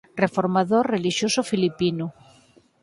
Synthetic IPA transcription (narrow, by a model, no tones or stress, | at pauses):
refoɾmaðoreliʃjosofilipinu